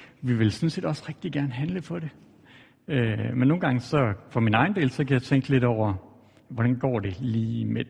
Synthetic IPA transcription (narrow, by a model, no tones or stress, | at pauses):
ʋiʋe̝lsɒ̽nse̝̰ːd̥ɒ̽sʁɛɡ̥̚d̥iɡ̥æɐnəɦænləpʰɒ̽ɾ̥e̝ | ømenːo̝ːn̩ɡ̥ɑ̈ŋəsɒ̽fɒ̽minɑ̈ɪn̩d̥e̝ːlsɒ̽kʰæjɑ̈ɪt͡sʰeŋ̰ɡ̥əle̝d̥ɒʊ̰ɐ | ʋɒɾ̥ænɡ̥ɒ̰ːd̥e̝liːme